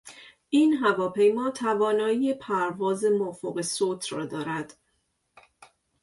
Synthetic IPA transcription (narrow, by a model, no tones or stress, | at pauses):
ʔiːnɦævɒːpʰe̞jmɒːt̪ʰævɒːnɒːiːjepʰæɾvɒːze̞mofoɣesoːt̪ʰɾɒ̰ːd̪ɒːɾæd̪̥